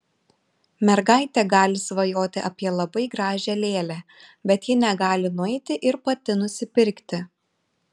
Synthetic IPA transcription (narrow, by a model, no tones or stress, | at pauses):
mʲɛɾɡɑˑɪt̪ʲɛɡɑːlʲɪsʋɐjoːt̪ʲɪʔɐpʲiɛlˠɐbɐɪɡɾɑːʒʲɛlʲeːlʲæ | bʲɛt̪jɪnʲɛɡɑːlʲɪnʊɛɪt̪ʲɪʔɪɾpɐt̪ʲɪnʊsʲɪpʲɪɾʲkt̪ʲɪ